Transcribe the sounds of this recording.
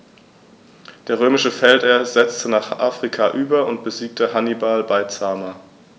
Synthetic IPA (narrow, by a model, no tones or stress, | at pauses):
d̥eːɐʁ̞øːmɪʃəfɛlteːɐzɛt͡stənaːχʔaːfʁ̥ikʰaʔyːbɐʊntb̥əziːk̚təhanibalbaɪt͡saːmɐ